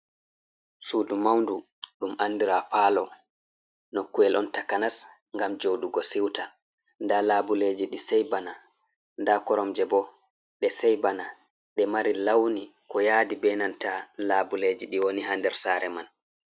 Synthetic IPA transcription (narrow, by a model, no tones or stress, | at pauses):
suːdumawndu | ɗumʔanːdiɾapaːlɔ | nokːuɛlʔɔntakanas | ŋɡamd͡ʒoɗuɡɔsiwta | ndalabuled͡ʒiɗisɛjbana | ndakɔɾɔmd͡ʒɛbɔ | ɗɛsɛjbana | ɗɛmaɾilawnikɔjaːdibɛnantalaːbuled͡ʒiɗiwoniɦandɛɾsaːɾɛman